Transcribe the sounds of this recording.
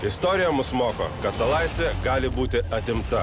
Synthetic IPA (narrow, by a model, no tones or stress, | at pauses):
ɪst̪ɔːɾʲɪjɛmʊsmoːko̰ːkɐt̪ːɐlˠɐɪsʲʋʲɛɡɑːlʲɪbuːt̪ʲɪɐt̪ʲɪmt̪ɐ